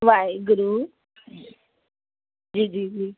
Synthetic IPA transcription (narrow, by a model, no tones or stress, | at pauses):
ʋajɡʊɾu | d͡ʒiːd͡ʒiːd͡ʒiː